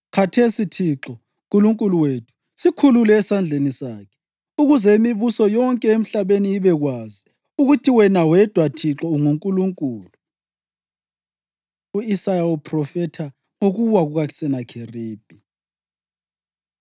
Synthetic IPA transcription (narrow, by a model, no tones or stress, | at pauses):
kʰatʰesitʰiǁɔ | ŋkʼuluŋkʼuluwetʰu̥ | sikʰululɛːsand͡ɮʱenisaːkʰɛ̥ | uɣuzɛimiβusɔjɔŋkʼɛem̩ɬaβeniiβɛɣwazi | uɣutʰiwɛnawɛd̥ʱwatʰiǁɔuŋuŋkʼuluŋkʼuːlu | uisajaupʰrɔfɛtʰa | ŋoɣuwaɣuɣaki̥sɛnakʰeriːb̥ʱi